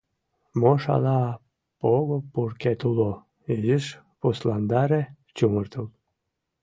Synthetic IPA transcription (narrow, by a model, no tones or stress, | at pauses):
moʃɑ̰lɑ | poɣopurket̪ulo | iʒiʃ | puslɑnd̪ɑɾe | t͡ɕumərt̪əl